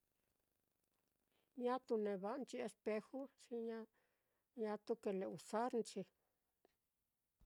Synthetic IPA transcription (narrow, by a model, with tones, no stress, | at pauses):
ɲã˦t̪u˧nẽ˧βa˧ʔnt͡ʃi˧e˧spe˧xu˦t͡ʃi˧ɲã˦ | ɲã˧t̪u˦ke˧le˧˨u˨sa˦ɾnt͡ʃi˧